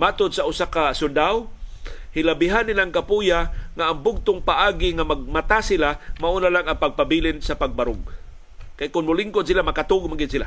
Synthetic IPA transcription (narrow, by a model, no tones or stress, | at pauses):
mat̪ʊd̪̚saʊsakasʊnd̪awhɪlabɪɦanːɪlaŋkapujaŋaʔːŋbʊɡ̚t̪ʊŋpaʔaːɡɪŋamaɡ̚mat̪asɪlamaʔunalaŋaŋpaɡ̚pabilɪnsapaɡ̚baɾʊɡ | kajkʊnmʊlɪŋkʊd̪silamakat̪uɡmaɡɪd̪sila